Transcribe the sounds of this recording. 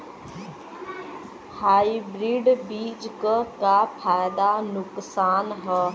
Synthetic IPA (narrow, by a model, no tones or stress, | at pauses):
haːibɾiːɖbiːd͡ʒkəkaːpʰaːjd̪anʊksaːnɦə